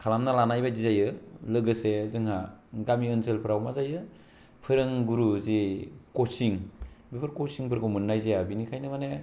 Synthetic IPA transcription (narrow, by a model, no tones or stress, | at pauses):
kʰalamnalanajbadizajɯlɯɡɯsezɯŋhaɡamiɯnselpʰɯɾawmazajɯ | pʰɯɾɯŋɡuɾuzikosiŋbipʰɯɾkosiŋpʰɯɾɡɯwmɯnːajzejabinikʰajnɯmane